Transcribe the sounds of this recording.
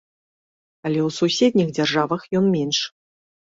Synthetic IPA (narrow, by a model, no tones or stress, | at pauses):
ɐlʲɛwsusʲed̪ʲnʲixd͡zʲarʐavɐxjɔnmʲɛnʂ